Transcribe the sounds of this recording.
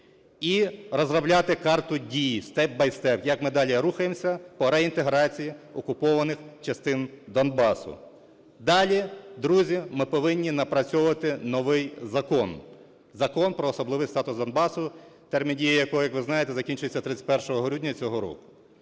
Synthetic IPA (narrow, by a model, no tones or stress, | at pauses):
iɾɔzrɐblʲat̪ɪkɑrt̪ʊdʲijist̪ɛb̚bɐjst̪ɛpjɐkmɪd̪ɑlʲiɾuxɐjemsʲɐpɔɾɛint̪eɦɾɑt͡sʲijiɔkʊpɔʋɐnɪxt͡ʃɐst̪ɪnd̪ɔnbɑsʊ̰ | d̪ɑlʲid̪ɾuzʲimɪpɔʋɪnʲːinɐpɾɐt͡sʲɔʊʋɐt̪ɪnɔʋɪjzɐkɔn | zɐkɔnpɾɔːsɔblˠɪʋɪjst̪ɑt̪ʊsd̪ɔnbɑsʊ | t̪ɛrmʲindʲijɐjɐkɔjɔjɐkʋɪznɑjet̪ɛzɐkʲinʲt͡ʃʊjet͡sʲːɐt̪ɾɪt̪ʲɪ̥pɛrʃɔɦɔɦɾʲudʲnʲɐt͡sʲɔɦɔɾɔ̰kʊ̥